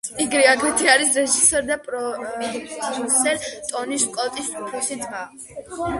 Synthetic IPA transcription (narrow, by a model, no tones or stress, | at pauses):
iɡɾiaɡʰit̪ʰiaɾisɾɛʒisɛɾd̪apʼɾɔ | usɛɾt̪ʼɔniskʼɔt̪ʼisupʰɾɔsid̪va